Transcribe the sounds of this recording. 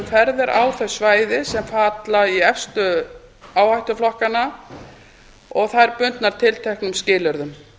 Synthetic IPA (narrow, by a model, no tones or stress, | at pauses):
mfɛɾðɪɾʔa̰ːwθœsvaːjðɪsɛmfaːt̪laiɛfst̪ʏ | aːwhajht̪ʏflɔhkanːa | ɔɣθaðɛɾpʏnt̪naɾ̥t̪ʰɪlt̪ʰɛhknʏmscɪːlœɾðʏm